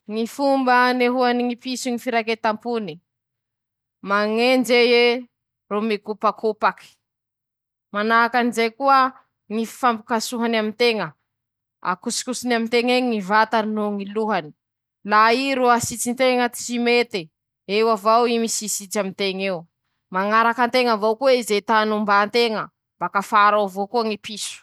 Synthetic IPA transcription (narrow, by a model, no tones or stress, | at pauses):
ŋifumbəneɦuaniŋipisuŋifiɾaket̪ampuni | maŋend͡ʒeje | romekupakʰopaki̥ | manaakanizejkuə | ŋifambukasuɦanamint̪eŋə | a̰kusi̥kusinamint̪eŋeŋivat̪aninuŋiluɦani̥ | laiɾuasit͡sint̪eŋət̪i̥t͡ʃimet̪e | ewavawimisisit͡samint̪eŋew | maŋaɾakant̪eŋavowkueizet̪anumbant̪eŋə | mb̥akafaɾavokuəŋipisu̥